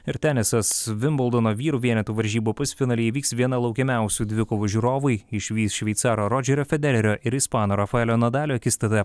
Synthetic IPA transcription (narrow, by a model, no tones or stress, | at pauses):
ɪɾt̪ʲæːnʲɛsɐsʋʲɪmbɔlˠd̪ɔnoːʋʲiːɾuːʋʲiɛnʲɛt̪uːʋɐɾʲʒʲiːbuːpʊsʲfʲɪnɑːlʲɛiʋʲiːksʋʲiɛnɐlˠɒʊkʲɛmʲæˑʊsʲuːd̪ʲʋʲɪkoːʋuʒʲuːɾoːʋʊɪɪʃʲʋʲiːsʃʲʋʲɛɪt̪sɑːɾoːɾɔːd͡ʒʲɛɾʲoːfʲɛd̪ʲɛɾʲɛɾʲoːʔɪɾispɑːnoːɾɐfɐɛlʲoːnɐd̪ɑːlʲoːkʲɪst̪ɐt̪ʲɛ